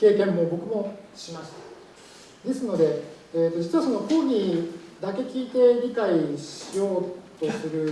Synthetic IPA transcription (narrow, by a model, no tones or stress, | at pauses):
ke̞ːkẽ̞mːo̞bo̞kɯ̟mo̞ɕimaɕi̥t̪ḁ | d̪e̞sɨno̞d̪e̞ː | t̪ːo̞d͡ʑit͡sɨβaso̞nokoːɡʲid̪ake̞kʲiːt̪e̞ɾʲikaiɕijo̞ːt̪o̞sɨɾɯ̟